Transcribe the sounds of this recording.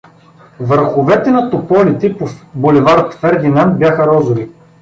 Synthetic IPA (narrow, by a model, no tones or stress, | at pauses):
vəɾxovɛt̪ɛnɐt̪opɔlit̪ɛpobolɛvaɾot̪fɛɾd̪inant̪̚bʲjaxɐɾɔzʊɾi